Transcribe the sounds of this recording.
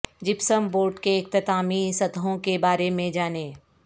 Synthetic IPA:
d͡ʒɪpsəmboːɾʈkeɪk̚t̪ɪt̪aːmisɐd̪ɦõkebaːɾemẽd͡ʒaːneː

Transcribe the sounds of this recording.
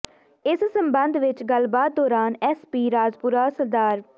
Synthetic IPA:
ɪssəmbənd̪ʋɪt͡ʃɡəlbaːt̪̚d̪ɔːɾaːnɛːspiːɾaːd͡ʒpʊɾaːsəɾd̪aːɾ

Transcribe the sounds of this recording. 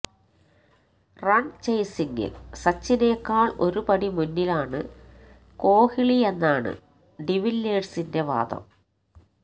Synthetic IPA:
rɐɳt͡ɕɐjsiŋɡɨ̰lsɐt͡ɕːine̞ːkːaːɭo̞ɾupɐɽimunːilaːɳɨ | ko̞ːhiɭie̞nːaːɳɨ̰ | ɖiʋilːeːɖsinde̞ʋa̰ːd̪ɐ̰m

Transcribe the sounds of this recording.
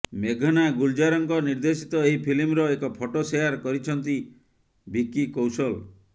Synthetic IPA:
meɡʱɔnaɡuld͡ʒaɾɔŋkɔniɾd̪esi̥t̪ɔeɦipʰilimɾɔekɔpʰoʈoseaɾkɔɾit͡ʃʰɔnt̪i | bikikowsɔl

